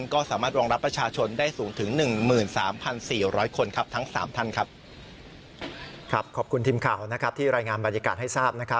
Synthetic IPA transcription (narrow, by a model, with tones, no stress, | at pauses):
nkɔː˥˩saː˩˦maː˥˩t̪̚wɔː˧ŋɾa˦˥pːɾa˧t͡ɕʰaː˧t͡ɕʰo˧ndaː˥˩jsuː˩˦ŋt̪ʰɯ˩˦ŋnɯ˨˩ŋmɯː˨˩nsaː˩˦mpʰa˧nsiː˨˩ɾɔː˦˥jkʰo˧nkʰa˦˥p̚t̪ʰa˦˥ŋsaː˩˦mt̪ʰa˥˩nkʰɾa˦˥p̚ | kʰɾa˦˥p̚kʰɔː˨˩p̚kʰu˧nt̪ʰiː˧mkʰaː˨˩wna˦˥kʰɾa˦˥p̚t̪ʰiː˥˩ɾaː˧jŋaː˧nba˧njaː˧kaː˨˩t̪̚ha˥˩jsaː˥˩p̚na˦˥kʰa˦˥